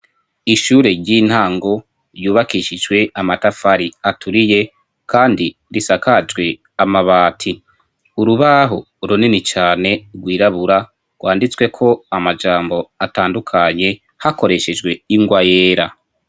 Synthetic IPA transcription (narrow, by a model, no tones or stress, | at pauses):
iʃuːɾe̞ɟin̥haːŋɡo̞ | ɾjuːβakiʃid͡ʒɡwe̞ʔamatafaɾiatʰuɾije̞ | kʰaːndi | ɾisakad͡ʒɡwe̞ | amaβaːtʰi | uɾuβaɦo̞ | uɾuninit͡ʃaːne̞ɾɡwiːɾaβuɾa | ɡwaːndit͡swe̞kʰo̞amad͡ʒaːmbo̞ataːndukʰaɲe̞ | hako̞ɾe̞ʃe̞d͡ʒɡweiŋɡwajeːɾa